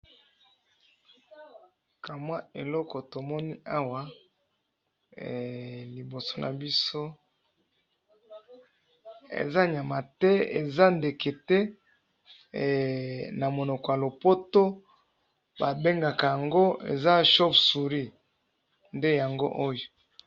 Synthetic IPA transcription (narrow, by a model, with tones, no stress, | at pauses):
ka˨mwa˦e˨lɔ˦kɔ˨to˨mɔ˦ni˦a˦wa˨˦˨ | li˨bo˨so̥˨nʔa̰˨bi˦so˦ | ḛ˨za˦ɲa˨ma˨tɛ˦ḛ˨za˦nde˨ke˨tɛ˦˨ | na˨mo˨nɔ˨kɔ˨ja˨lo˨po˦to˦ | ba˨be˦ŋɡa˨ka˨ja˨ŋɡo˦ḛ˨za˦ʃo˦psu˨ʁi˦ | nde˦ja˨ŋɡo̰˦ʔo˦jo˨